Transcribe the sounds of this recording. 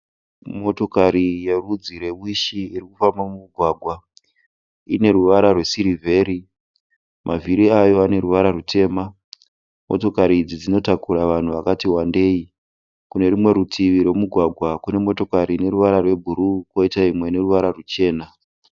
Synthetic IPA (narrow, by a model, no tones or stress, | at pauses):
mo̞to̞kaɾije̞rud͡ziɾe̞wwiʃiirikufambamumuɡʱwaːɡʱwa | ine̞ɾuʋaɾarwe̞siɾivʱe̞ːɾi | mʔaviɾiajo̞ane̞ɾuʋaɾarutʰe̞ːma | mo̞̰to̞kaɾid͡zid͡zino̞takuɾaʋan̤uʋakatiwande̞ːi | kune̞rimwe̞ɾutʰiʋiɾwe̞muɡʱwaɡʱwakune̞mo̞to̞kaɾine̞ɾuʋaɾarwe̞bʱuɾuko̞itaimwe̞ne̞ruʋaɾarut͡ʃe̞ːna